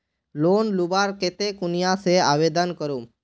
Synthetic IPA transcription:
lonlubaɾket̪ekunijaseabed̪ənkəɾum

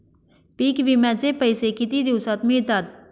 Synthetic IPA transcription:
piːkʋimɛ̃t͡ʃepɐɪsekit̪id̪uwsat̪miɾt̪ad̪̚

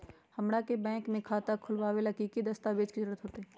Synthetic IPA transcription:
həmɽakebɛ̃ːŋkmẽkʰat̪akʰʊlʋaːwelɐkikid̪əst̪aʋed͡ʒkizɾɾət̪ɦoːt̪eɦɛː

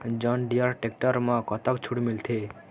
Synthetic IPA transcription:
d͡ʒɔnɖijɔɾʈek̚ʈɔɾmãkɔt̪ɔkt͡ʃʰuɽmilt̪ʰe

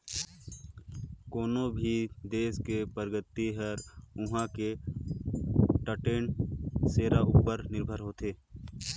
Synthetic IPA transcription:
koːnobʱid̪eːskepəɾɡət̪ːiɦəɾʊɦãke | ʈəʈeːnseːɾaʔuːpəɾnɪɾbʱəɾɦoːt̪eː

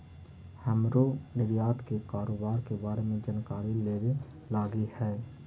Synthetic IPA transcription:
hɛmɾonɪɾijaːt̪kekaːɾoːbaːɾkebaːɾemẽd͡ʒənkaːɾileːʋe | laːɡihɛː

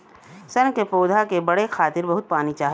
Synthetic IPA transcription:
sɐnkepoːd̪ʱakebɐɽexʰaːt̪ɪɾbɐɦʊt̪̚paːnit͡ʃaːɦ

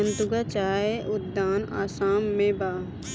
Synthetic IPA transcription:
ə̃nt̪ʊɡat͡ʃaːeʔʊd̪ːaːna̰ːsaːmːẽbaː

